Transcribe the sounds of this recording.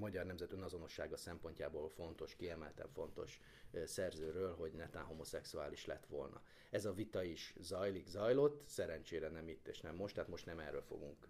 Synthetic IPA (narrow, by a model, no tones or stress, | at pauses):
mɒɟɒrnɛmzɛt̪ønɒzo̞no̞ʃːaːɡɒsɛmpo̞ɲca̰ːboːlfo̞nt̪o̞ʃkiɛmɛlt̪ɛ̰ɱfo̞nt̪o̞̰ʃ | sɛrzøːɾøːlɦo̞ɟnɛt̪aːnɦo̞mo̞sɛksuaːliʃlɛt̪ʋo̞lnɒ̰ | ɛzɒvit̪ɒiʃzɒjlikzɒjlo̞t̪ːsɛɾɛnt͡ʃeːɾɛnɛmit̪ːḛːʃnɛmːo̞ʃt̪ːaːt̪mo̞ʃt̪nɛmɛrːø̰ːlfo̞̰ɡuŋk